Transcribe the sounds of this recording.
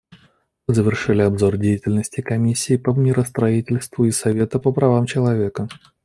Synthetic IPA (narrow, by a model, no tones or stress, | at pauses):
mɨzəvʲɪrʂɨlʲɪɐbzo̞rdʲejɪtʲɪlʲnəsʲtʲɪkɐmʲisʲːɪːpəmʲɪɾəst̪ɾɐitʲɪlʲst̪vʊisɐvʲe̞t̪əpəpɾɐvamt͡ɕɪlˠɐvʲe̞kə